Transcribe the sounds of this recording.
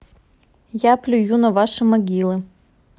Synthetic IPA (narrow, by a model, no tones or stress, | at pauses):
japlʲʊjunɐvaʂɨmɐɡʲilˠɨ